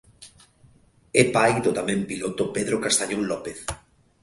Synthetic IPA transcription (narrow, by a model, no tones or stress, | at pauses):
epajd̪ot̪amɛ̃mpilot̪opeðɾokast̪aɲonlɔpeθ